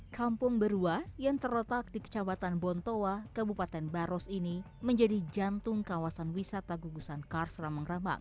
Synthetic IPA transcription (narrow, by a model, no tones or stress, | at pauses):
kampʊŋbəɾuajaŋt̪ərɾot̪ak̚dikə̥t͡ʃabat̪anbɔnt̪owakəbupat̪ɛnbaɾɔsini | məɲd͡ʒadid͡ʒant̪ʊŋkawasanwisat̪aɡuɡusankarsɾaməŋrama̰ŋ